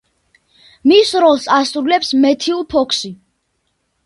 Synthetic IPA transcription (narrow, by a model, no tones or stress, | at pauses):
misɾɔlˠsasɾulɛpsmɛt̪ʰiulˠpʰɔkʰsi